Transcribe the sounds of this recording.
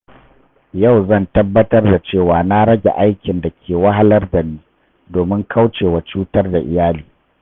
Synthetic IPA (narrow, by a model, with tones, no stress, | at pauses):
ja˦˨wzɐ˦˨ntɐ˦bːɐ˦tɐ˦rda˨t͡ʃeː˦˨waː˨na˦ɽɐ˦ɡʲa̰˨ʔa˦jkʲɪ˨nda˨kʲʰeː˨wɐ˦ɦa˦lɐ˦rda˨niː˦ | doː˨mɪ˦ŋkʰa˦wt͡ʃeː˨wa˨t͡ʃuː˦tɐ˦rda˨ʔɪ˨jaː˦liː˨